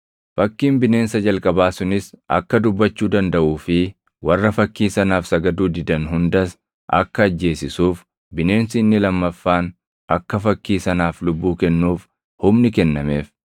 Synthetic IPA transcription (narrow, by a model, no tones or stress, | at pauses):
fɐkːiːmbɪne̞ːnsɐd͡ʒɐlkʼɐbaːsʊnɪsʔɐ̰kːɐd̪ʊbːɐt͡ʃːuːd̪ɐnd̪ɐʔuːfɪ | wɐrːɐfɐkːiːsɐnaːfsɐɡɐd̪uːd̪ɪd̪ɐnɦʊnd̪ɐs | ʔɐ̰kːɐːd͡ʒːe̞ːsɪsuːf | bɪne̞ːnsɪɪnːɪlɐmːɐfːaːn | ɐkːɐfɐkːiːsɐnaːflʊbːuːkɛnːuːf | hʊmnɪkɛnːɐme̞ːf